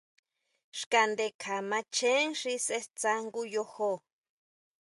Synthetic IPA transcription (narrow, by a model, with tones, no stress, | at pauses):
ʂka˧nd̪e˧kʰa˨mã˧t͡ʃʰe˦ŋʂi˦se˦st͡sa˦ŋɡu˦jo˦ho˦